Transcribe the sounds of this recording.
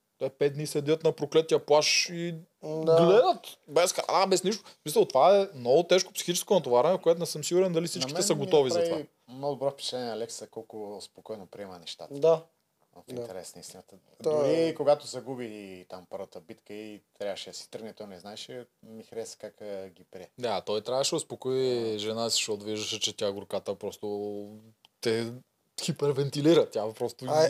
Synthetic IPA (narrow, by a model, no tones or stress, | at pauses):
t̪ɛpɛt̪̚d̪nisɛd̪ʲət̪nɐpɾoklɛt̪ːiɐplˠaʃi | ɡlɛd̪ət̪bɛsxɾa̰nabɛsniʃt̪osmisəlˠt̪ovaɛmnɔɡʊt̪ɛʃko̥psi̥xit͡ʃɛ̥skonɐt̪ovaɾanɛfkoɛt̪ʊnɛsɤmsiɡʊɾɛnd̪ɐlifsit͡ʃkikmt̪ɛsɐɡot̪ɔvizɐt̪va | mnɔɡd̪obɾɔfpi̥t͡ʃ̪ɛniɛɐlɛksəkɔlˠkʊspokɔjnopɾiɛmənɛʃt̪a̰t̪əd̪a | ot̪iint̪ɛɾɛsnəist̪inət̪ə | d̪ikoɡat̪osɛɡubit̪ampɤɾvət̪əbit̪kəit̪ɾjavəʃɛsi̥t̪əɾɡnɛt̪ɔnɛznaɛʃɛmixɾɛsɛ̥kakɡipɾiɛd̪aːt̪ɔjt̪ɾʲavəʃɛospokoiʒɛnasi̥ʃtɔt̪viʒd̪əʃɛt͡ʃɛt̪ʲaɛɡʊɾkat̪əpɾɔst̪o | t̪ɛ | xipɛɾvɛnt̪iliɾət̪ʲjapɾɔst̪o